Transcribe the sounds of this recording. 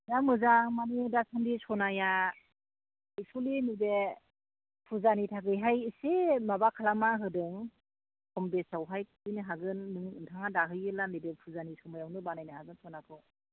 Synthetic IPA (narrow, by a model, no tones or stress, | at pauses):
zamɯzaŋmanidasandisɔnaja | ajsʰulinude | pʰuzanitʰaɡɯjɦajisemabakʰalamaɦɯdɯŋ | kʰɔmbesawɦajkʰɯnɯɦaɡɯnːɯŋɯntʰaŋadaɦɯjɯlanidepʰuzanisɔmajawnɯbanajnɯhazaŋsʰɔnapʰɯ